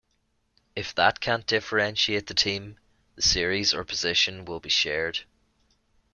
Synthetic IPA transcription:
ɪfðət̚kʰãnd̥ɪfə˞ɛ̃nʃieːt̪ʔ̪̚ðətʰĩm | ðəsɪəɹizə̰˞pʰəzɪʃə̃nwɪlˠbiʃɛɹd̥

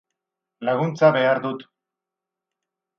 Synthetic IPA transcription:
laɣ̞unt͡saβe̞aɾðut̪

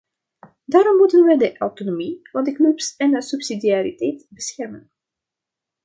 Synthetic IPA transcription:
daːɾɔmːutənʋədəʔawtonomivɑndəknøpsɛnəsypsidiaɾitɛjtbəsxɛrmə̰n

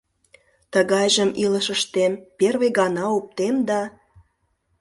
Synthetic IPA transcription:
t̪əɣɑjʒəmiləʃəʃt̪emperβeɣɑnɑup̚t̪emd̪ɑ

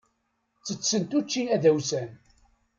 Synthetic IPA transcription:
t͡sːət͡sːənt̪ut͡ʃːiæðæwsæn

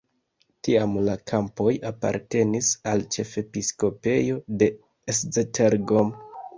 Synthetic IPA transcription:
tiamlakʰampo̞japa̰ɾte̞nisalt͡ʃe̞fe̞pisko̞pe̞jo̞de̞ | eszetʰeɾɡom

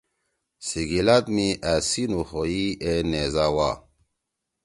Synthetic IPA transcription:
siɡilat̪miʔasinuxoienezawa

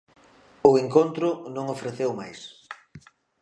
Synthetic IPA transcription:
ʊeŋkont̪ɾʊnõŋofɾeθewmajs

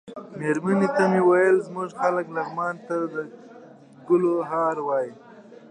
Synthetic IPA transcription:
meɾmanit̪amewajəlzmuʐxaləklaɣmɑnt̪ad̪ə | ɡʊloɦɑɾwɑji

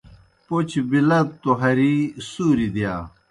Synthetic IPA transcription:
pot͡ɕbilɐt̪ːoɦɐɾisuːɾid̪ijaː

